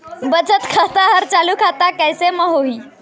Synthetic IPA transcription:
bət͡ʃət̪kʰət̪aɦəɾt͡ʃalukʰat̪akəjseməɦoi

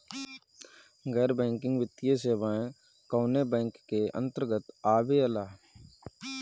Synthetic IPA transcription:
ɡɛːɾbɛ̃ːŋkɪ̃ŋɡʋɪt̪ːijeseːbaːẽ | koːnebɛ̃ːŋkːeə̰̃nt̪əɾɡət̪aːbeəlaː

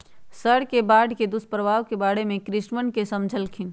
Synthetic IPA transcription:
səɽkebaɖked̪uspɾəbʱaʋkebaɽemẽkɾɪʃnmənkesəmd͡ʒʱəlkʰin

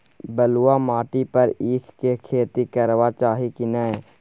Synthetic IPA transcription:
bəluamaːʈipəɾiːkʰkekʰeːt̪ikəɾwat͡ʃaːɦikinəe

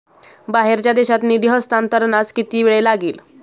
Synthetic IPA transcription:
baɦeɾt͡ɕjad̪eɕat̪niːd̪iɦəst̪ant̪əɾnat͡skit̪iːʋeɭelaɡiːl

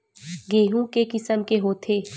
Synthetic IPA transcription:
ɡeːɦũkekɪsəmkeɦoːt̪ʰeː

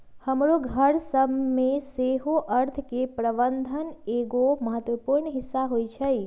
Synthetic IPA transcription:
həmɾoɡʱəɾsəbmẽseːɦoʔəɾt̪ʰkepɾəbə̃nd̪ʱəneːɡoməɐɦət̪wəpuːɾɳɦɪsːaɦoːit͡ʃʰɛi

